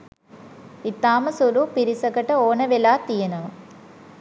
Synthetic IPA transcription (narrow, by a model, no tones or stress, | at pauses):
it̪ːaːmɐsuɾupiɾisɐkɐʈɐoːnɐʋelaːt̪ijɐnɐ